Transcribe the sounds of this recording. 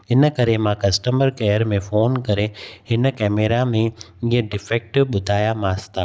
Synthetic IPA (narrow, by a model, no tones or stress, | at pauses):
ɪnəkɐɾemãkɐsʈəməɾkɛːəɾmẽfoːnkɐɾehɪnə̆kɛːmeːɾamẽ | iɦəɖɪfɛːk̚ʈɪɓʊd̪ʱaːjamaːst̪aː